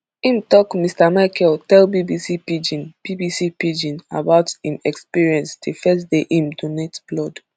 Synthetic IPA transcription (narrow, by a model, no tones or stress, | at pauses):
ĩmtɔkmistamaɪkʰɛltɛlbibisipid͡ʒĩnb̥ibisipid͡ʒĩna̰baʊtĩmɛkspiɹiɛ̃nsdefɛsdeʔĩmdonetblɔd